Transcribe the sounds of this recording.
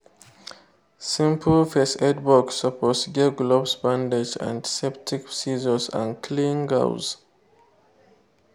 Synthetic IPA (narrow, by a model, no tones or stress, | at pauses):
sĩmpʰəlfɛsɛdbɔksəpʰɔtsɡeɡlɔbsbãnded͡ʒã̰ntsɛptʰiksizəsã̰nkʰlĩŋɡa̰ʊz